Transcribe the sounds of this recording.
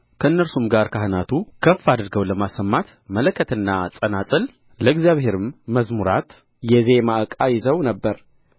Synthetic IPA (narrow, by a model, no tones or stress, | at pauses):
kʰəɨnːəlsumɡaɾkʰaɦɨnat̪ʰukʰəfːad̪ɨɾɡəwləmasːəmːat̪ | mələkʰːət̪ɨnːasʼənasʼɨl | ləɡzjaβhe̞ɾɨmːəzmuɾa̰t̪ | jɛzemaʔəkʼajɪzəwnəbːəɾ